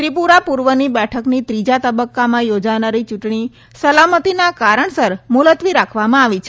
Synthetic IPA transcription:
t̪ɾipuɾapuɾʋənibɛʈʰəknit̪ɾid͡ʒat̪əbəkːamãjod͡ʒanaɾit͡ʃuʈɳi | səlamət̪inakaɾəɳsəɾmulət̪ʋiɾakʰʋamãaʋit͡ʃʰe

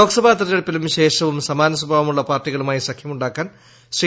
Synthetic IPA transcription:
oːksɐbʱaːt̪ɐɾɐeɽɐpːilumʃeːʂɐʋumsɐmaːnɐswɐbʱaːʋɐmuɭːɐpaːrʈːiɣɐɭumaːjisɐkʰjɐmuɳɖaːkːaːn | sɾi

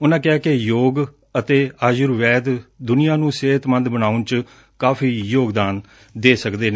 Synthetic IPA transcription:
ʊnãːkɪaːkɪjoːɡ | ət̪eːaːd͡ʒʊɾʋɛːd̪d̪ʊnɪjãːnũːseːt̪mə̃nd̪bənaːʊnt͡ʃ | kaːfiːjoːɡd̪aːn | d̪eːsəkd̪eːne

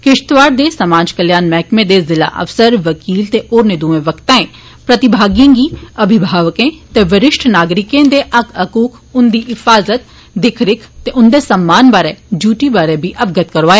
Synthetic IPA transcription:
kɪʃt̪ʋaːɾd̪esɐmaːd͡ʒkɐljaːnmɛːkmẽd̪ezɪla̰ʔɐ̰fsəɾʋɐkiːlt̪eʔoːɾnɪd̪uːẽʋɐkt̪ãːẽ | pɾɐt̪ɪbʱaːɡijãːɡiɐbʱɪbʱaːʋəkẽt̪eʋɐɾɪʃʈʰnaːɡɾɪkẽd̪eʔɐkɐkuːkʰ | ʊnd̪iɪfaːzət̪ | d̪ɪkʰɾɪkʰt̪eʔʊ̃nd̪esɐmːaːnbaːɾɛd͡ʒuːʈibaːɾɛbʱiʔɐbɡət̪kɐɾʋaːje

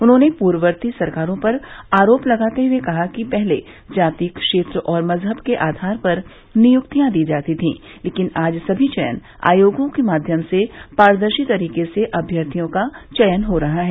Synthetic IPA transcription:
ʊnɦõnepuːɾʋəɾt̪isɐɾkaːɾõpɐɾaːɾoːplɐɡaːt̪eɦuekɐɦakipɛɦle | d͡ʒaːt̪ikʃeːt̪ɾəʔɔːɾmɐzɦəbkeʔaːd̪ʱaːɾpɐɾ | nɪjʊkt̪ijãd̪iːd͡ʒaːt̪it̪ʰḭ̃ː | leːkɪnaːd͡ʒsɐbʱit͡ʃɛjə̰n | a̰ːjoːɡõkemaːd̪ʱjəmsepaːɾd̪əɾʃit̪ɐɾiːkeseʔɐbʱjəɾt̪ʰijõkat͡ʃɐjənɦoɾɐɦaɦɛː

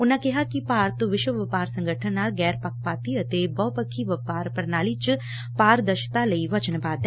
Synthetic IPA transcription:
ʊnakɪɦakipaːɾt̪uʋɪʃəʋɐpaːɾsɐ̃ŋɡʱəʈʰənaːlɡɛːɾpɐk̚paːt̪iɐt̪ebɔpəkʰːiʋɐpaːɾpɐɾnaːlit͡ʃ | paːɾd̪ɐʃt̪alɐiʋɐt͡ʃənbaːd̪ɛ

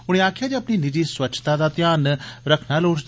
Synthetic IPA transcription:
ʊɽ̃eaːkʰijad̪iɐpninɪd͡ʑiswɐt͡ʃʰt̪ad̪at̪jaːnɾɐkʰnaloːd͡ʒ̪

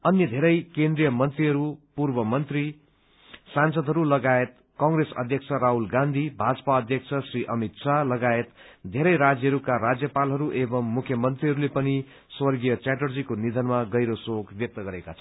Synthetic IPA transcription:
ʌnjʌd̪ʱeɾʌjkend̪rijʌmʌnt̪riɦʌɾupurbʌmʌnt̪ri | sansʌd̪ʱɦʌɾulʌɡaet̪̚ | kʌŋɡresʌ̰d̪ʱjʌk̚t͡sʰʌɾaɦulɡãnd̪ʱibʱad͡zʌpaʌd̪ʱjʌk̚t͡sʰʌsriʔʌmit̪sʰalʌɡaet̪d̪ʱeɾʌjɾad͡zjʌɦʌɾukaɾad͡zjʌpalɦʌɾuʔebʌmːukʰjʌmʌnt̪riɦʌɾulepʌni | swʌrɡijʌt͡saʈʌrd͡zikonid̪ʱʌnmaɡʌjɾosoɡbjʌk̚t̪ʌɡʌɾekat͡sʰʌ

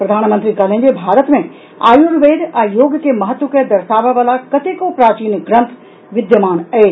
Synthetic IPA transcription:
pɾɐd̪ʱaːnmə̃nt̪ɾikaːlẽnd͡ʒebʱaːɾət̪mẽ | a̰ːjuɾʋeːd̪ajoːɡəkemɐɦət̪ʋəkəd̪ɐɾʃaːʋaʋaːlakɐt̪ekopɾaːt͡ʃiːnɡɾɐ̃nt̪ʰ | ʋɪd̪jəmaːnɐe

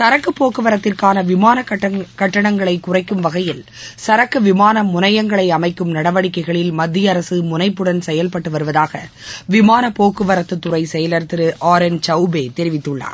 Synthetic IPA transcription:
sɐɾɐkːɯpːoːkːɯʋɐɾɐt̪ːɪrkaːnɐʋɪmaːnɐkɐʈːɐɳɐŋɡɐɭɐɪkːʊrɐɪkːɯmʋɐɣɐjɪl | sɐɾɐkːɯʋɪmaːnɐmʊnɐjɐŋɡɐɭɐɪɐmɐɪkːɯmnɐɽɐʋɐɽɪkːɐɪɣɐɭɪlmɐd̪ːɪjɐɾɐsɯmʊnɐɪpːɯɽɐnsɛjɐlpɐʈːɯʋɐɾɯʋɐðaːɣɐ | ʋɪmaːnɐpːoːkɯʋɐɾɐt̪ːɯt̪ːʊrɐɪsɛjɐlɐɾt̪ɪɾɯʔaːɾɛnt͡ʃɐʊbeːt̪ɛɾɪʋɪt̪ːɯɭːa̰ːɾ

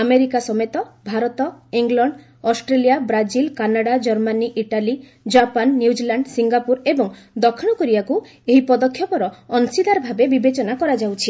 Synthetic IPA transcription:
ameɾikasɔmet̪ɔbʱaɾɔt̪ɔiŋɡlɔɳɖ | ɔsʈɾelijabɾad͡ʒilkanaɽad͡ʒɔɾmaniʔiʈali | d͡ʒapanːjud͡ʒilaɳɖsiŋɡapuɾebɔŋ | d̪ɔkʰiɽ̃ɔkɔɾibaku | eɦipɔd̪ɔkʰːjɔpɔɾɔɔnsid̪aɾɔbʱabebibet͡ʃɔnakɔɾad͡ʒawt͡ʃʰi

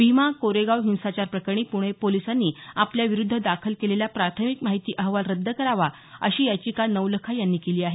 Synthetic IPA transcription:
bʱimakoɾeɡawɦĩw̃sat͡ɕaɾpɾəkəɳ̃iːpuɽ̃epolisanːiːapljaʋiɾud̪ʱːəd̪akʰəlkeleljapɾat̪ʰəmikmaɦit̪iːʔəɦʋalɾəd̪ʱːəkəɾaʋa | ə̰ɕiːjat͡ɕiːkanəʋləkʰajanːiːkeliːaɦe

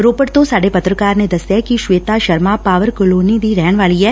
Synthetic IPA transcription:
ɾopəʈt̪osaɽepət̪ɾəkaɾned̪əsjekiʃʋeːt̪aʃəɾmapaːʋəɾkʊlonid̪iɾɛɳʋalie

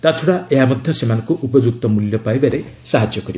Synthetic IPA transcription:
t̪at͡ʃʰɔɽaeɦamɔd̪ʱjɔsemanɔ̃ŋkuʔupɔd͡ʒuk̚t̪ɔmuljɔpajbaɾesaɦad͡ʒjɔkɔɾib

